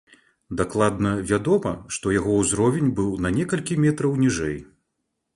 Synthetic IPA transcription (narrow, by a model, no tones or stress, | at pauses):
d̪aklˠad̪nɐvʲad̪ɔmɐʂt̪ɔjaɣɔwzɾɔvʲɛnʲbɨwnɐnʲɛkɐlʲkʲimʲɛt̪ɾɐwnʲiʐɛj